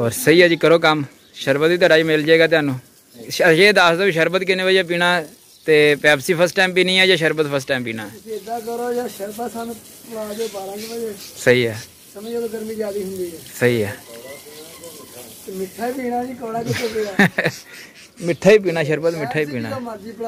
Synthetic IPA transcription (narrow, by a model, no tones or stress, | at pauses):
ɔːɾsəiːaːd͡ʒiːkəɾoːkəm | ʃəɾbət̪ʋiːt̪̬waːɖaːd͡ʒiːmɪld͡ʒaeːɡaːt̪eaːnũː | ʃʃed̪aːsd̪aːbiːʃəɾbət̪kɪneːʋəd͡ʒaːp̬iːɽ̃aː | t̪eːpɛːbsiːpʰəɾsʈaːmpiːnĩːaːd͡ʒaːʃəɾbət̪̚pʰəs̬ʈaːmpiːña̰ːd͡ʒeːd̪aːkəɾoːd͡ʒaːʃəɾbasaːnː | pɽaːd͡ʒoːbaːɾãːɡʋəd͡ʒeːsəɦiːaː | səməd͡ʒooɡəɾmiːd͡ʒaːd̪iːɦʊ̃nd̪iːɛːsəɦiːaː | mɪʈʰːaipiːɽ̃aːd͡ʒiːkəɽaːkəd̪eː | mɪʈʰːaːiːp̬iːɽ̃aːʃəɾbət̪mɪʈʰːaːiːpiːɽ̃aːad͡ʒiːpɽ